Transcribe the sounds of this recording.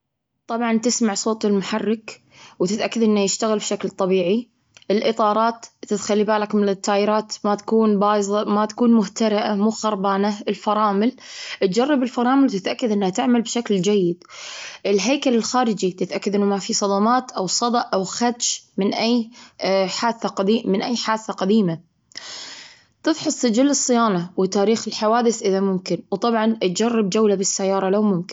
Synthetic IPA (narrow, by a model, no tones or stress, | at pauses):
t̪ˤɑbʕɑnt̪ɪsmaʕsˤoːt̪ˤɪlmʊħarːɪk | wt̪ɪt̪ʔakːad̪ʔɪnːajɪʃt̪aɣɪlbʃaklt̪ˤɑbiːʕi | ʔɪlʔɨt̪ˤɑːɾˤɑːt̪ːɪt̪xalːibaːlakmɪnɪt̪ːaːjɪɾɑːt̪mat̪ḁkuːnbɑːjzˤɑmat̪ḁkuːnmʊht̪aɾɪʔamuːxɑɾˤbaːnaɪlfɑɾˤɑːmɪl | ʔɪt̪̚d͡ʒɑrˤːɑbɪlfɑɾˤɑːmɪlwt̪ɪt̪ʔakːad̪ʔɪnːhat̪ɪʕmalbʃakld͡ʒajːɪd̪ʔɪlɦajkalɪlxaːɾɪd͡ʒit̪ɪt̪ʔakːad̪ʔɪnːʊmafisˤɑd̪ɑmɑːt̪ʔawsˤɑd̪ˤɑʔʔawxat̪ʃmɪnʔajː | ħaːd̪θaqd̪iːmɪnʔajːħaːd̪θaqad̪iːma | t̪ɨðħʊsˤːɪd͡ʒɪlːɨsˤːɨjaːnawɪt̪aːɾiːxɪlħawaːd̪ɪθʔɪðamʊmkɪnwt̪ˤɑbʕɑnt̪̚d͡ʒɑrˤːɑbd͡ʒawlabɪsːajːɑːɾˤɑlawmʊmkɪn